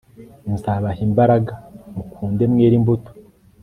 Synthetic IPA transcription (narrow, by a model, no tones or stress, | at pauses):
nzaːβahimbaɾaɡamukʰuːnde̞mŋeːɾimbuto̥